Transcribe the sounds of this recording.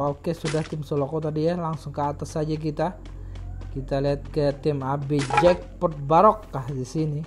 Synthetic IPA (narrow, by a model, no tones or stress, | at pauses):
okesudaht̪ɪmsolokɔt̪adijalaŋsʊŋkəːt̪asad͡ʒak̬it̪a | kit̪aliɦat̪̚kət̪ɪmabid͡ʒɛk̚pɔt̪̚baɾɔkːahdisini